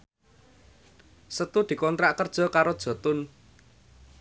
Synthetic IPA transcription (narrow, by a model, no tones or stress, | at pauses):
sət̪ud̪̥i̤kɔnt̪ɾaʔkərd̥ʒ̥ɔ̤kaɾod̥ʒ̥ɔ̤t̪ʊn